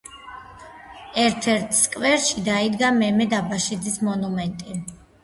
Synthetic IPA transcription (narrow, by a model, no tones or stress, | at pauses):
ɛɾt̪ʰɛɾt̪ʰskʼvɛɾʃid̪aid̪ɡamɛmɛd̪abaʃid̪zismɔnumɛnt̪ʼi